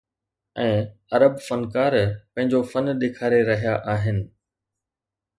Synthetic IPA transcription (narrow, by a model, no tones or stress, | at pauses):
ɛ̃ːɐɾəbfɐnkaːɾpɐ̃ɦɪ̃ɲd͡ʑofɐnɗ̪eːkʰaːɾeɾɐɦijaʔaːɦɪnɪ̆